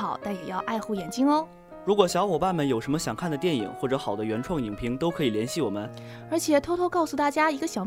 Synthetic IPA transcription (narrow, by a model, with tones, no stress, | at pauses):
ɑ˨˩˦ʊt̪a˥˩njɛ˨˩jɑ˥˧ʊʔa˥˧ɪxu˥˩jɛ˨˩nt͡ɕi˥ŋə˧ | ɻu˧˥kwɔ˨˩ɕjɑ˧˥ʊxɔ˨˩pa˥˩nmə˨˩njo˨˩ʊʂə˧˥nmə˧ɕjɑ˨˩ŋkʰa˥˩nd̪ə˩t̪jɛ˥˩nḭ˨˩˦ŋxwɔ˥˩ʈ͡ʂɤ˧˥xɑ˨˩ʊd̪ə˦ɥɛ˧˥nʈ͡ʂʰwɑ˥˩ŋi˨˩ŋpʰi˧˥ŋt̪o˥ʊkʰɤ˧˥i˨˩ljɛ˧˥nɕi˥˩wɔ˨˩mə˦n | ə˞˧˥t͡ɕʰjɛ˨˩t̪ʰo˥t̪ʰo˥kɑ˥˩ʊsu˨˩t̪a˥˩t͡ɕja˥i˧˥ɡə˧ɕjɑ˨˩ʊ